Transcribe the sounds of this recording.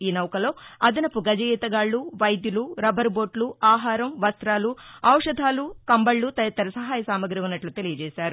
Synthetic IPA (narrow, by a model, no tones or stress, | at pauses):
iːnɐwkɐlo̞ːɐd̪ɐnɐpuɡɐd͡ʒɐɡiːt̪ɐɡaːɭːuʋɐjd̪juluɾɐbʱɐɾboːʈluaːɦaːɾɐmʋɐst̪ɾaːluɐwʂɐd̪ʱaːlukɐmbɐɭːut̪ɐjɐt̪ːɐɾɐsɐɦaːjɐsaːmɐɡɾiʋunːɐʈlut̪elijɐd͡ʒɛːsaːɾu